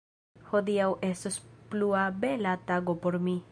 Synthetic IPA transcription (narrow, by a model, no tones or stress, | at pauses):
ho̞diawʔe̞stospluabe̞lataɡo̞po̞ɾmi